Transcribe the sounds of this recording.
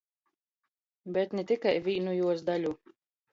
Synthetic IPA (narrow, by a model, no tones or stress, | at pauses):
bʲɛt̪nɛt̪ikajvʲiːnujuɔs̬d̪alʲu